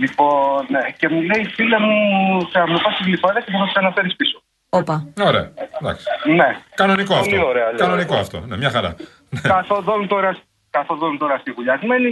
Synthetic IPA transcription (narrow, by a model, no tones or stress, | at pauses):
lipo̞nnece̞mule̞ifilɐmuseɐmnopɐst̪izlipɐðɐsepuθɐksɐnɐfe̞ɾispiso | opɐoɾeɐ̰d̪ɐ̰ksi̥ne̞kɐno̞nikoɐfloioɾeɐkɐnonikoɐft̪o̞̰nemɲɐxɐɾɐ̰ | nekɐθoðonut̪o̞ɾɐs | kɐθo̞ðonunt̪o̞ɾɐst̪iɣuʎɐzmeni